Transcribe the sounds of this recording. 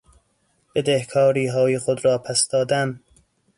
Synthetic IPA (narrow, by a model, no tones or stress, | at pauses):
b̥ed̪ehkʰɒːɾiːɦɒːjexod̪ɾɒːpʰæsd̪̥ɒːd̪æm